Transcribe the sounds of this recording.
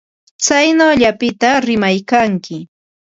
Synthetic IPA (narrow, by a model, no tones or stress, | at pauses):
t͡sajnaːʎapɪt̪aɾɪmajkaŋkɪ